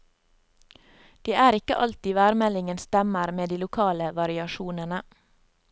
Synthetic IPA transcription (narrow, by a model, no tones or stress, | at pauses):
d̪̥iːʔæːɾɪkə̰ʔɑlt̪iːʋæːɾmɛlɪŋənst̪ɛməɾmeːd̪iːlʊkʰɑːləʋɑɾɪɑʃuːnənə